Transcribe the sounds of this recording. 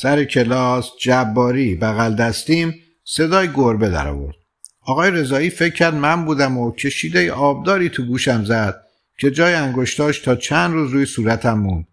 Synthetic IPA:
sæɾecʰelɒːsd͡ʒæbːɒːɾiːbæɣæld̪æst̪iːm | se̞d̪ɒːjeɡoɾbed̪æ̰ɾɒ̰ːvo̞̰ɾd̪̥̚ | ʔɒːɣɒːjeɾe̞zɒːiːfecʰːæɾd̪mæmbuːd̪æmocʰe̞ʃiːd̪ejeʔɒːb̚d̪ɒːɾiːt̪ʰuɡuːʃæmzæd̪̥̚ | cʰe̞d͡ʒɒːjeæŋɡo̞ʃt̪ɒːʃt̪ʰɒːt͡ʃʰænd̪ɾuːzɾuːjesuːɾæt̪ʰæmːund̪̥̚

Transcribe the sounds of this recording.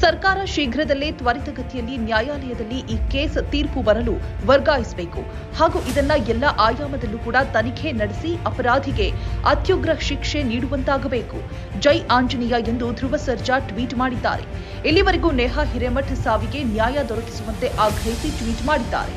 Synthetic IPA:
sɐɾkaːɾɐʃiːɡʱɾɐd̪ɐlːeːt̪ʋɐɾit̪ɐɡɐt̪ijɐlːinjaːjaːlɐjɐd̪ɐlːiʔiːkeːst̪iːɾpubɐɾɐluʋɐɾɡaːjisɐbe̞ːkṵ | haːɡuːʔid̪ɐnːɐjɛlːɐʔaːjaːmɐd̪ɐnːukuːɽɐt̪ɐnikʰe̞nɐɽesiɐpɐɾaːd̪ʱiɡe̞ɐ̰t̪juɡɾɐʃikʂe̞niːɽuʋɐnt̪aːɡɐbeːku | d͡ʒɐjʔaːɲd͡ʒɐnijɐend̪ud̪ʱɾuʋɐsɐɾd͡ʒaʈʋiːʈmaːɽid̪ːa̰ːɾe̞̰ | elːiʋɐɾiɡuneːɦaɦiɾemɐʈʰsaːʋiɡe̞njaːjad̪ɔɾɐki̥suʋɐnt̪e̞ʔaːɡɾɐɦisiʈʋiːʈmaːɽid̪ːa̰ːɾḛ

